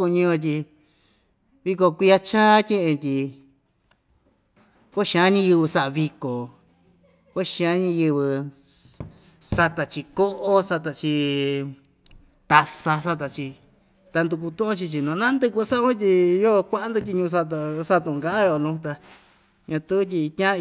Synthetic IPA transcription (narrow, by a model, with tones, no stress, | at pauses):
u˧ɲĩ˧õ˧t̪̬ʲi˧ | βi˧ko˧kʷi˧a˧t͡ʃãː˦t̪ʲẽ˦ʔẽ˧t̪ʲi˧ | ko˦ʃã˨˧˦ɲĩ˧jɨ˧βɨ˧sa˦ʔa˧βi˧ko˨ | ko˦˧ʃĩ˧ã˧˦ɲĩ˧jɨ˧βɨ˧ | sa˧t̪a˨t͡ʃi˧ko˦ʔo˦sa˧t̪a˧t͡ʃi˧ | t̪a˧sa˧s̬a˧t̪a˧t͡ʃi˧ | t̪a˧nd̪u˧k̬u˧t̪ũ˦ʔõ˦t͡ʃi˧t͡ʃi˧nũ˧nã˦nd̪ɨ˧k̬ʷu˧sa˦˧˦ũ˦t̪̬ʲi˧jo˦˧kʷa˦ʔa˦nd̪u˧t̪̬ʲi˧ɲũ˧s̬a˧t̪a˧sa˦˧t̪ũ˧˨˧ɡa˧˦ʔã˦jo˧˨nũ˧˦t̪a˧ | ɲã˧t̪u˦t̬ʲi˧t̪ʲã˦˧